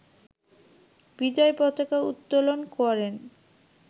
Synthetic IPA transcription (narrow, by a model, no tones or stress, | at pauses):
bid̪ɔepɔt̪akaṵt̪ːolonkɔɾen